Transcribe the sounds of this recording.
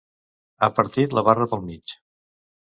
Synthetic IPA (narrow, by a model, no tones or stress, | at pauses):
apəɾt̪it̪ləβarəpəlˠmit͡ʃ